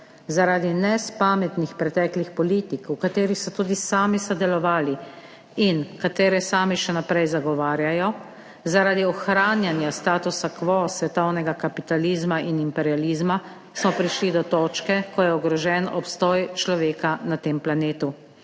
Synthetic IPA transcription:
zaɾaːd̪inɛspaːmɛt̪nixpɾɛt̪ɛːklixpɔliːt̪ikwkat̪eːɾixsɔt̪uːd̪isaːmisɔd̪ɛlɔʋaːli | inkat̪eːɾɛsaːmiʃɛnapɾɛjzaɡɔʋaːɾjajɔ | zaɾaːd̪iɔxɾaːnjanjast̪aːt̪usakʋɔsʋɛt̪ɔwnɛɡakapit̪aliːzmaʔinimpɛɾjaliːzma | smɔpɾiʃlid̪ɔt̪ɔːt͡ʃkɛkɔjɛɔɡɾɔʒɛnɔpst̪ɔjt͡ʃlɔʋeːkanat̪eːmplaneːt̪u

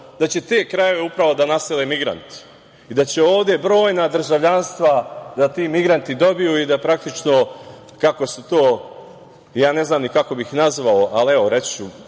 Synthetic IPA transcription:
d̪at͡ɕe̞t̪e̞ːkɾaje̞ʋe̞upɾaʋo̞d̪anaseleːmiɡɾa̰nt̪ | id̪at͡ɕe̞o̞ːʋd̪je̞bɾo̞ːjnad̪ɾ̩ʒaʋʎanst̪ʋad̪at̪iːmiɡɾant̪id̪o̞bijuid̪apɾak̚t̪it͡ʃno̞ | kako̞sut̪o̞ː | jaːne̞znaːmnikako̞bixnazʋaoʔalieʋo̞ɾe̞t͡st͡ɕu

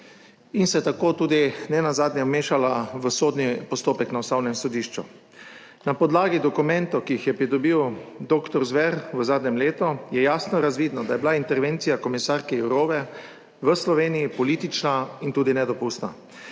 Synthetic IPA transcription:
insɛt̪akoːt̪uːd̪inɛnazaːd̪nʲɛmeːʃalaʋəsoːd̪nipɔst̪oːpɛknaɔsnawnɛmsɔd̪iʃt͡ʃṵ | napɔd̪laːɡid̪ɔkumɛnt̪ɔkiixjɛpɾid̪ɔbiwd̪oːkt̪ɔɾzʋɛɾʋəzaːd̪nʲɛmleːt̪ɔjɛjaːsnɔɾazʋiːd̪nɔd̪ajɛbilaint̪ɛɾʋeːnt̪sijakɔmisaɾkɛɛwɾoːʋɛ | ʋəslɔʋeːnijipɔliːt̪it͡ʃnaint̪uːd̪inɛd̪ɔpust̪na̰

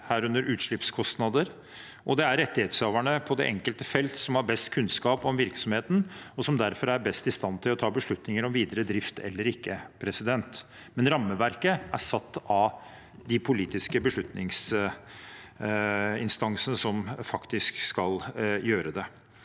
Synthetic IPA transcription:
hæːɾʉnd̪əɾʉːt̪ʂɭɪpskʰɔst̪nɑd̪əɾ | ʔɔd̪ɛæɾɛt̪ːɪheːt̪søːʋæɳəpʰɔd̪ɛ̰ʔɛŋkəlt̪əfɛlt̪sɔmhɑɾbɛst̪kʰʉnskɑːpɔmʋɪɾksɔmheːt̪n̩ɔsɔmd̪æɾfɔɾæɾbɛst̪ɪst̪ɑnt̪ʰɪlɔt̪ʰɑːbəʂɭʉt̪nɪŋəɾɔmʋiːd̪əɾəd̪ɾɪft̪ʰɛ̰lːəɾɪkːəpʰɾɛsɪd̪ɛnt̪ | mɛnɾɑmːəʋæɾkəʔæsɑt̪ːɑ | d̪ɪpʰʊliːt̪ɪskəbəʂɭʉt̪nɪŋs | ɪnst̪ɑŋsənəsɔmfɑkt̪ɪskskɑljøːɾəd̪ɛ

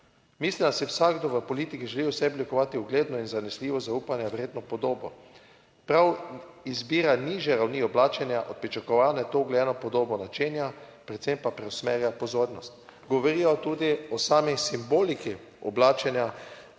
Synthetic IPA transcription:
miːslind̪asiwsaːɡd̪oʋəpɔliːt̪ikiʒɛliwsɛblikɔʋaːt̪iuɡleːd̪nɔinzanɛsliːʋɔzauːpanjɛwɾeːd̪nɔpɔd̪oːbɔ | pɾawizbiːɾaniːʒjɛɾawniːɔblaːt͡ʃɛnjaʔɔt̪̚pɾit͡ʃakɔʋaːnɛt̪oɡlɛjɛnɔpɔd̪oːbɔnat͡ʃeːnjapɾɛt̪sempapɾɛwsmeːɾjapɔzoːɾnɔst̪ɡɔʋoɾiːjɔt̪uːd̪iɔsaːmisimboːliki | ɔblaːt͡ʃɛnja

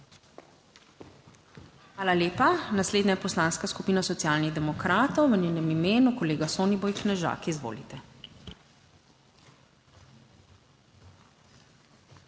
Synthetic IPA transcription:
xʋaːlaljeːpanasleːd̪najɛpɔslaːnskaskupiːnasɔt̪ijaːlniɣd̪ɛmɔkɾaːt̪ɔwʋənjɛːnɛmimeːnukɔleːɡasoːnibɔjknɛʒa̰ːkizʋo̰ːlit̪ɛ

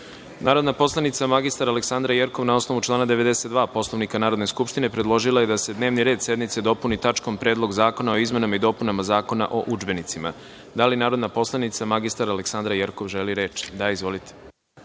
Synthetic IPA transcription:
naːɾod̪napo̞slˠanit̪samaɡist̪aɾaleksand̪ɾajeɾko̞ʋnao̞sno̞ʋut͡ʃlˠaːnad̪eʋe̞d̪e̞se̞t̪d̪ʋaːpo̞slˠo̞ʋnikanaːɾo̞d̪ne̞skupʃt̪ine̞pɾed̪lˠo̞ʒilˠaje̞d̪ase̞d̪ne̞ːʋniɾeːd̪sje̞d̪mit̪se̞d̪o̞punit̪at͡ʃko̞mpɾe̞ːd̪lˠo̞ɡzaːko̞nao̞izme̞namaid̪o̞ːpunamazaːko̞na̰ʔo̞ʔud͡ʒbe̞nit̪sima̰ | d̪alinaːɾo̞d̪napo̞slˠanit̪samaɡist̪aɾaleksand̪ɾajeɾkoʋʒeliɾe̞t͡ʃi̥d̪aizʋo̞lit̪e̥

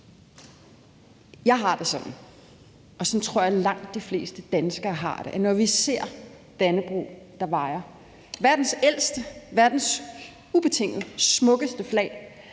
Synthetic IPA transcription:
jɑ̈ɪɦɑ̈d̥e̝sɒ̽d̥n̩ | ɒ̽sɒ̽nt͡sʰʁo̝ɐ̰jɑ̈lɑ̈ŋ̰d̥ːifle̝̰ːsd̥əd̥ænsɡ̥ɐːɦɑ̰̈d̥e̝ʔænɒʋise̝ɐ̰ | d̥ænəb̥ʁṵː | d̥ɑ̈ʋɑ̈ɪɐ | ʋæɐd̥n̩sel̰sd̥əʋæɐd̥n̩s | ub̥e̝t͡sʰe̝ŋ̰d̥əsmɔ̽ɡ̥əsd̥əflɛ̰ːɪ

